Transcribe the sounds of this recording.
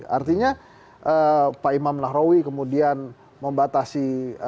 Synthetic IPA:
a̰rt̪iɲa | ʔəpaimamnaɦɾowikəmudian | məmbat̪asi

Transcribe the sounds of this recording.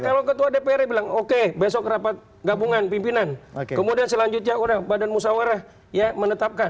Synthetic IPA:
kalawkət̪uadepeɛɾebilaŋokebes̬ɔkrapat̪̚ | ɡabuŋanpimpinankkəmudiansəlaɲd͡ʒʊt̪̚ɲaunahbadanmusawəɾah | jamənət̪ap̚kan

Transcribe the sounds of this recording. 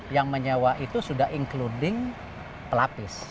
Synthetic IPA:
jaŋməɲawaʔit̪usudahiŋkludɪŋ | pəlapɪs

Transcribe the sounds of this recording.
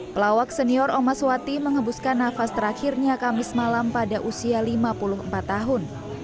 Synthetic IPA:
pəlawak̚sɛniɔɾʔomaswat̪iməŋəbuskanːafast̪əɾaxirɲakamɪsmalampadaʔusialimapulʊɦəmpat̪ːaɦʊn

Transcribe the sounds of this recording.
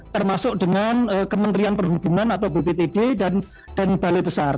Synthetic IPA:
t̪ərmasʊk̚dəŋanəkəmənt̪ɾianpərɦub̥ṳŋanat̪awbepet̪ededan | d̥anbalebəsar

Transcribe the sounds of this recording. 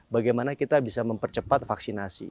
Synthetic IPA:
baɡajmanakit̪abisaməmpərt͡ʃəpat̪̚faksinasḭ

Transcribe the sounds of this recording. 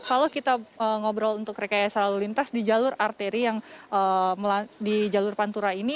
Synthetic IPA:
kalokit̪aəŋobɾalunt̪ʊk̚ːɾekajasəlalulint̪asdid͡ʒalʊrart̪eɾijaŋəməladid͡ʒalʊrpant̪uɾaini

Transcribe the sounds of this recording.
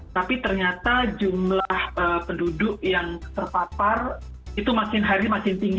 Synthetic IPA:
t̪apit̪ərɲat̪ad͡ʒumlahʔəpəndudʊk̚jaŋt̪ərpapar | it̪umakɪnɦaɾimakɪnt̪iŋɡ

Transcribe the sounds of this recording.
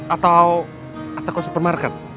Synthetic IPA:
at̪aw | at̪akasəpərmarkat̪̚

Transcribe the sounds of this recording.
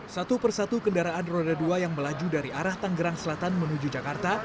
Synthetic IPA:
sat̪upərsat̪ukəndaɾaʔanrodaduajaŋməlad͡ʒudaɾiʔaɾaht̪aŋɡəɾaŋsəlat̪anmənud͡ʒud͡ʒakart̪a

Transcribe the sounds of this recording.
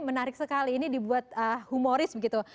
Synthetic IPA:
mənaɾɪk̚səkaliːnidibuat̪̚əhumoɾɪsbəɡit̪u

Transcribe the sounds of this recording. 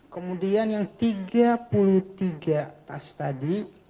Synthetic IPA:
kəmudianjaŋt̪iɡapulut̪iɡat̪ast̪adi

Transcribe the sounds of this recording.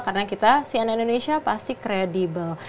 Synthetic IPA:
kaɾənakit̪asianindonesiapast̪ikɾedibəl

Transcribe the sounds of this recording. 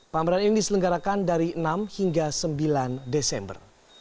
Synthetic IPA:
paməɾaninidisələŋɡaɾakandaɾiənamhiŋɡasəmbilandesɛmbə̰r

